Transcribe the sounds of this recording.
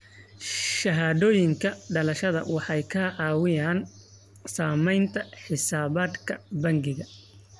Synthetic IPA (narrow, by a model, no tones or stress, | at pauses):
ʃɐɦaːðɔːjɪŋkʰɐɖɐlɐʃɐðɐ̰wɑħɑjkʰaʕɑːwɪjaːn | saːmɛjnt̪ʰɐħɪsaːβaːd̪kʰɐbɐŋɡɪɣɐ